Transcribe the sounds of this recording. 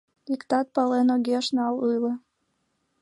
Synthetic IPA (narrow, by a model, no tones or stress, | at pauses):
ikt̪ɑt̪̚pɑlenoɡʲeʃnɑlujlɤ̆